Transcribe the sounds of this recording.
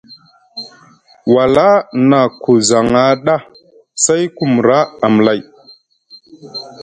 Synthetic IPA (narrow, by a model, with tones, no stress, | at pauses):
wa˨la˦na˨ku˨za˨ŋa˨ɗa˦˨ | sa˦jku˨m˨ɾa˦a˨m˨la˨j